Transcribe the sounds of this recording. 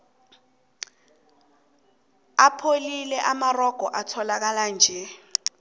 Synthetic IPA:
apʰolilɛʔamarɔɡ̥ʱɔʔatʰɔlak̬aland͡ʒʱɛ

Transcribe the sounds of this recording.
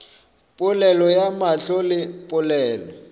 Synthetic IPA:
pʼʊlɛlɔjamaɬɔlɪpʼʊlɛːlɔ

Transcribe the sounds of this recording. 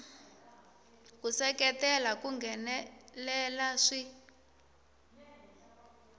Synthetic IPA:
kusɛkɛtɛlakuŋɡʱɛnɛlɛlaʂi

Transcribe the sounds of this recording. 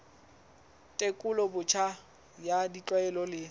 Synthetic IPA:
tʼekʼʊlɔbʊt͡ʃʰa | jadit͡ɬʼwaɛlɔlɪ

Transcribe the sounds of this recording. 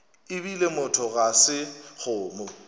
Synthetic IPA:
ɪbilemʊtʰɔɣasɪk͡xʊːmʊ

